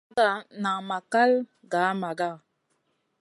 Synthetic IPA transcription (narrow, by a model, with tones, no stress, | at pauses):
a˦˨na˨ma˨ka˦l | ɡa˨˦ma˨ɡa˦˨